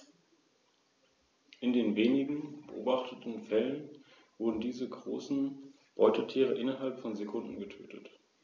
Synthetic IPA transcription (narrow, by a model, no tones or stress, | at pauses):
ʔɪndeːnveːnɪɡŋ̩b̥əʔoːbaχtʰətn̩fɛlən | v̥ʊʁdn̩diːzəɡʁo̰ːsn̩ | b̥ɔʏtətʰiːʁəʔɪnɐɦalpfɔnzekʰʊndn̩ɡətʰø̰ːtʰət